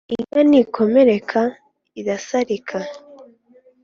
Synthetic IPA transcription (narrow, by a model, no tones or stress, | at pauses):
iŋɡanikʰo̞me̞ɾe̞kʰa | iɾasaɾikʰa